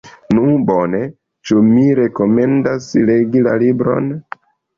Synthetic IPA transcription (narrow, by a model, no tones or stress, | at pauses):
nubone̞ | t͡ʃumiɾe̞ko̞me̞ndasle̞ɡila̰libɾo̞̰n